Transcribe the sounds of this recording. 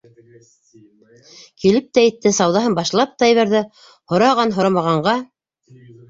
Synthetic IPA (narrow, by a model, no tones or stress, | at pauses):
kilɘp̚t̪æɘ̆t̪ːɘsɑwðɑɦɤmbɑʃlˠɑp̚t̪ɑjɘ̆βæɾðɘ | hŏɾɑʁɑnɦŏɾɑmɑʁɑɴɢɑ